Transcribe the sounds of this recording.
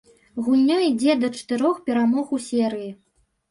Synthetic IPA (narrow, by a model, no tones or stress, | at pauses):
ɣulʲːɔid͡zʲɛd̪ɐt͡ʂɐ̥t̪ɨɾɔxpʲɛɾamɔɣwsʲɛɾɨji